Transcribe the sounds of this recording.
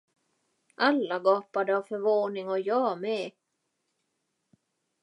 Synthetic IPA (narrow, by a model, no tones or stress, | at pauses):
ʔalːaɡɑːpad̪əavfœɾvoːnɪŋɔjɑːmɛ